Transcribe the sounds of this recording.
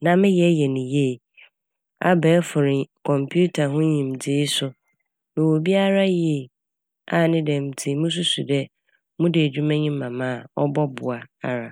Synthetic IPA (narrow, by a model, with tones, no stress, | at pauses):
nã˨mɪ̃˦jɛ˨˦jɛ˨nĩ˨je˦˨ | a̰˨bɛː˨˦fʊ˨ɾɪ̃˨kʰɔ̃˨mpʰu˦tʰa˨ɦʊ̃˦ɲĩ˨m˨dɪː˦sʊ˦ | nʊ̃˨wo˨bi˦a˦ɾa˦jɛ˦˨ | a˨nɪ̃˦dɛ̃˨m̩˨tʰɪ˨mũ˦s̬u˦su˨dɛ˦ | mʊ̃˦dɪ˨æ˨d͡ʑᶣu˦mã˦ɲĩ˦ã˨mã˦˨ɔ˦bɔ˦bʊ˨a˨a˨ɾa˨